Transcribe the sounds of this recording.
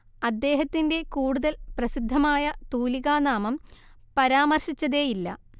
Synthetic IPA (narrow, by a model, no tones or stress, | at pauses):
ɐd̪ːe̞ːɦɐt̪ːinde̞kuːɽuðɐlprɐsid̪ʱːɐmaːjɐt̪uːliɣaːnaːmɐm | pɐɾaːmɐrʂit͡ɕːɐðe̞ːjilːɐ̰